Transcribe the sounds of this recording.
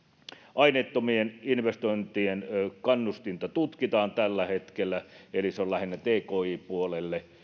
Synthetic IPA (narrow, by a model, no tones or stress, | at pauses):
ʔɑinet̪ːomieninʋest̪oˑint̪ienkɑnːust̪int̪ɑt̪ut̪kit̪ɑːnt̪ælːæhet̪kelːæeliseollæhinːæt̪eːkoːiːpuolelːe